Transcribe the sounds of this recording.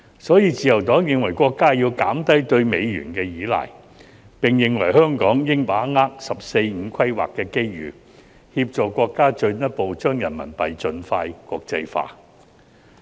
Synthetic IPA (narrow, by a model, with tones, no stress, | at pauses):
sɔː˨˥jiː˧t͡siː˨jɐ˨˩wt̪ɔː˨˥ŋjɪ˨ŋwɐ˨˩jkʷɔː˧kːaː˥jiː˧wkaː˨˥mt̪ɐ˥jt̪ɵ˧ɥme˨˧jɥy̰ː˨˩nkɛː˧jiː˨˥lɐ̰ː˨˩j | pɪ˨ŋjɪ˨ŋwɐ̰˨˩jɦœː˥ŋkɔː˨˥ŋjɪ˥ŋpaː˨˥ŋaː˥k̚sɐ˨p̚se˧jŋ̩˨˧kʰɐ˥jwa̰ː˨kːɛː˧ke˥jɥy̰ː˨ | hiː˧p̚t͡ʃɔː˨kʷɔː˧kːaː˥t͡ʃɵ˧ɥnɐ˥t̚po˨˧wt͡ʃœː˥ŋjɐ˨˩nmɐ̰˨˩npɐ˨jt͡ʃɵ˧nfaː˧jkʷɔː˧k̚t͡sɐ˧jfa̰ː˧